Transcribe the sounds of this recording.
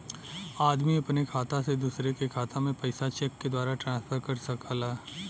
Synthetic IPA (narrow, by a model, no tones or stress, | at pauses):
aːd̪miɐpnekʰaːt̪ased̪uːsɾekekʰaːt̪ãmẽpɐɪsat͡ʃeːkːed̪waːɾaʈɾãːspʰəɾkɐɾsɐkʰaːlaː